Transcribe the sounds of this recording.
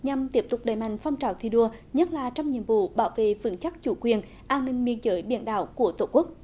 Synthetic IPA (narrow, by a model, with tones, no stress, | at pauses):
ɲa˨˩mt̪i˦˥əp̚t̪ʊ˨˩k͡p̚ɗəː˨˩jma̰˧˨jŋ̟fɔ˧wŋ͡mt͡ɕaː˨wt̪ʰi˧˩ɗu˧əɲə˦˥t̚laː˨˩t͡ɕɔ˧wŋ͡mɲḭ˧˨əmvṵ˧˨ɓaː˧˩wvḛ˧˨vɨ̰˧˦ŋt͡ɕa˦˥k̚t͡ɕu˧˦kwi˨˩ən | ʔaː˧nːï˧ŋ̟ɓi˧ənzəː˨˦jɓḭ˧˩ənɗa̰ː˧˨wku˧˩ət̪o˧˩ku˦˥ək̚